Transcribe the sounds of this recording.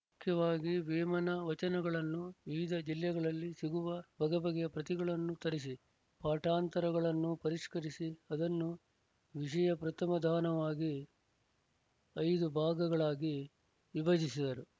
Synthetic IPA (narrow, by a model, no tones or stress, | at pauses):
mukʰjɐʋaːɡiʋeːmɐnɐʋɐt͡ʃɐnɐɡɐɭɐnːuʋiʋid̪ʱɐd͡ʒiljɐɡɐɭɐlːisiɡuʋɐbʱɐɡɐbɐɡɛjɐpɾɐt̪iɡɐɭɐnːut̪ɐɾis̬i | paːʈaːnt̪ɐɾɐɡɐɭɐnːupɐɾiʂkɐɾisiɐd̪ɐnːu | ʋiʂ̬ɐjɐpɾɐt̪ɐmɐd̪ʱaːnɐʋaːɡi | ɐjd̪ubʱaːɡɐɡɐɭaːɡi | ʋibɐd͡ʒisid̪ɐɾu